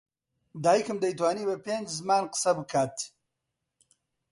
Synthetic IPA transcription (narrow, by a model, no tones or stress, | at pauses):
d̪aːjikɨmd̪əit̪̬waːnibɐpend͡ʒzmaːnqə̥sabəkʰaːt̪